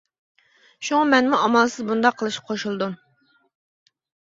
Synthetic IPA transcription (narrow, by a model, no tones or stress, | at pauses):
ʃuŋɑmɛnmuɑmɑlˠsɨzbund̪ɑqʰːəlˠɨʃqʰoʃulˠɨd̪um